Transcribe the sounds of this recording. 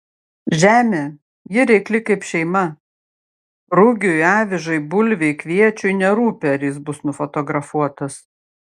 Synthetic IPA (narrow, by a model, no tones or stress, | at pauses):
ʒʲæːmʲeː | jɪɾʲɛɪklʲɪkɐɪpʃʲɛɪmɐ | ɾʊɡʲʊɑːʋʲɪʒɐɪbʊlʲʋʲɛɪkʋʲiɛt͡ʃʲʊɪnʲɛɾuːpʲeɐɾʲjɪsbʊsnʊfɔt̪ɔɡɾɐfuɔt̪ɐs